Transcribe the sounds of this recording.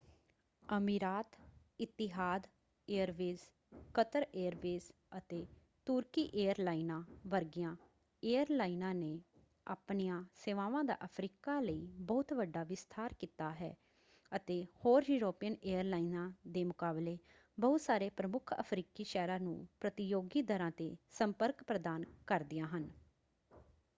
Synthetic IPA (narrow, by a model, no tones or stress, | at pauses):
əmiːɾaːt̪ | ɪt̪ːɪɦaːd̪ | eːəɾʋeːz | kət̪əɾeːəɾʋeːz | ət̪eː | t̪uːɾkiːʔeːəɾlaːinãːʋəɾɡijãː | eːəɾlaːinãːneː | a̰ːpnijãːseːʋãːʋãːd̪a̰ːʔəpʰɾiːkaːləiːbɔːt̪ʋəɖːaːʋɪst̪ʰaːɾkiːt̪aːɦɛ̰ː | ət̪eːhoːɾjuːɾoːpijəneːəɾlaːinãːd̪eːmʊkaːbleː | bɔʊt̪saːɾeːpɾəmʊkʰə̰pʰɾiːkiːʃɛːɾaːnṵ̃ːpɾət̪ɪjoːɡiːd̪əɾãːt̪eːsəmpəɾkpɾəd̪aːnkəɾd̪ɪjãːɦən